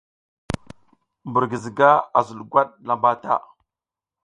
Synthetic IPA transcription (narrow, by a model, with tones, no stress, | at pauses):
mbu˨ɾɡi˨zi˨ɡa˦a˨zu˨lɡʷa˦ɗ̚la˨mba˦ta̰˦˨